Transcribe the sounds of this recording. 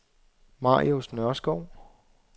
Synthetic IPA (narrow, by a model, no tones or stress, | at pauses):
mɑ̰̈ːjosnɶɐsɡ̥ɒʊ̰